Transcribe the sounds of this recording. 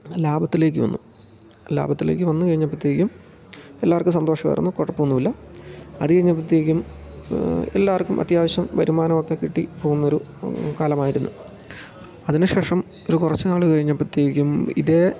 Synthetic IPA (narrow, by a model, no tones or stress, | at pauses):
laːbɐt̪ːile̞ːk̬ʲːɨʋɐ̰nːu | la̰ːbɐt̪ːile̞̰ːk̬ʲːɨʋɐnːɨkɐɻiɲːɐpːɐt̪ːjeːkʲːum | elːaːʋrkumsɐnd̪o̞ːʂɐʋɐ̰a̰jɾunːukorːɐpːoːunːuʋilːɐɐ̰ðɨkɐɻiɲːɐpːɐt̪̬ijeːkʲːum | e̞̰lːaːrkːumʔɐ̰t̪jaːʋɐɕjɐmʋɐɾumaːnɐmo̞kːekiʈːipo̞ːɣunːɐo̞ɾu | kaːlɐmaːjiɾunːṵ | ɐðineɕe̞ːʂɐm | o̞ɾukurɐt͡ɕːɨnaːɭɨkɐɻiɲːɐpːɐt̪ːijeːkʲːumḭðe